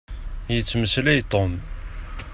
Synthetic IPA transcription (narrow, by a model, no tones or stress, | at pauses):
jət͡sːməslæjt̪ˤom